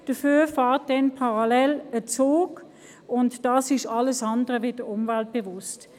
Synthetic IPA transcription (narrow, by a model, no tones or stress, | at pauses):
d̥əfyːfɑːʁt̚dɛnpʰaʁɑlɛlət͡soːk | ʊntd̥ɑːsɪʃɑləsɑndəʁəvɪd̥əʊmvalt̚b̥evʊst